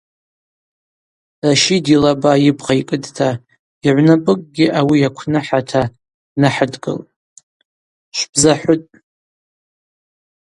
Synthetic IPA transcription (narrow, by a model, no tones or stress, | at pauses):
raʃidilabajɪbʁaikʼɨdtʰa | iʕʷnabɨkʼɡʲiʔawiakʷʰnɨħatʰa | naħədɡʼɨ̰lʼ | ʃʷb̥zaħʷʊtʼ